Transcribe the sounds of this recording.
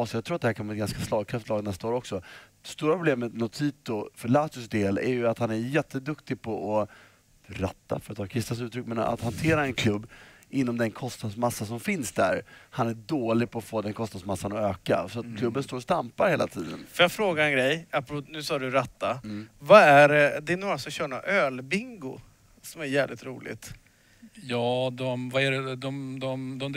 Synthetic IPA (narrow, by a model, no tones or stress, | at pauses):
sɔjɑɡ̚t̪ʰɾuːt̪̚d̪hæɾkʰanvɑːɛt̪ɡanskaslɑːɡkʰɾaft̪lɑːɡnɛst̪aoːɾɔksɔd̪̥ɛst̪uːɾapʰɾʊbleːmənʊt̪ʰiːt̪ʊfœɭaːt̪ʏsd̪eːlæ̰ɾjɵat̪hanæɾjɛt̪ʰːəd̪ɵkt̪ɪɡpʰɔʔɔ | ɾa̰t̪ːa̰fœɾat̪ʰːɑːkʰɾɪst̪as̬ʉ̟ːt̪ʰːɾʏkːmɛna̰t̪hant̪ʰeːɾaɛnkʰlɵbː | ɪnːɔmd̪ɛnkʰɔst̪nad̪smasːasɔmfɪnsd̪æ̰ɾhanæɖoːlɪɡ̚pʰɔːfoːd̪ɛnkʰɔst̪nad̪smasːanɔøːka̰sɔat̪̚kʰlɵbːənst̪oːɾst̪ampaɾheːla̰t̪ʰiːd̪ə̰nfəɾjaɡfɾoːɡaɾɛnɡɾɛjapɾnʉ̟ːsɑːɖɵɾat̪ːavaæɾd̪ɛːnuːɾasɔɕœːɳa̰ʔøːlbɪŋɡʊ | sɔmæɾjæːvlɪ̰t̪ɾuːlɪ̰t̪ | jɑːd̪ɔmvaæɾɛd̪ɔmd̪ɔmd̪ɔm